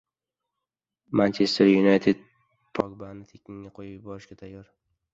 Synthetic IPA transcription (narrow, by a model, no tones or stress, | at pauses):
mant͡ʃʰest̪ʰeɾjunajt̪ʰed̪̚ | pʰɒɡbanɪt̪ʰekʲiŋːaqʰojɪjɪbɒɾɪʃɡʲat̪ʰajːɒɾ